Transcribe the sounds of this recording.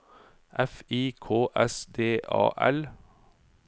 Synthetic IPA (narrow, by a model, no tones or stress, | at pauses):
ʔɛfiːkʰoːʔɛsd̪eːʔɑ̰ːʔɛl